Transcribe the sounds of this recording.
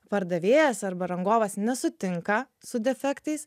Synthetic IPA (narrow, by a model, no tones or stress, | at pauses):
pɐɾd̪ɐʋʲeːjɛsɐɾbɐɾɐŋɡoːʋɐsnʲɛsʊt̪ʲɪŋkɐ | sʊd̪ʲɛfʲɛkt̪ɐɪs